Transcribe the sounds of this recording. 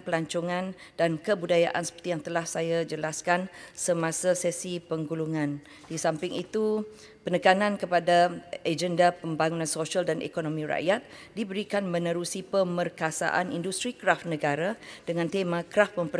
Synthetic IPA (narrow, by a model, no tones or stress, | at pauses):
pəlaɲt͡ʃɔŋãnd̥ankəbudajaʔansə̥pərt̪ijaŋt̪əlahsajad͡ʒəlaskansəmãsasɛsipəŋɡuluŋãn | disampɪŋḭt̪u | pənəkanãnkəpadaed͡ʒəndapəmbaŋunãnsosialdanʔḛkonomĩɾa̰ʔjat̪̚ | dibəɾikanmə̃nə̃ɾusipəmərkasa̰ʔa̰nḭndust̪ɾikɾafnə̃ɡaɾad̥əŋãnt̪emãkɾafmə̃mpə